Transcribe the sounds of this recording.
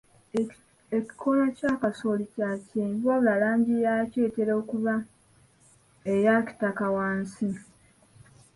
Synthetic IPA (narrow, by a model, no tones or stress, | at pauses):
eki̥kʰolocaːkaso̞licacemvaβulalaːɲɟijaceːteɾoːkuβa | ejaci̥takawaːnsi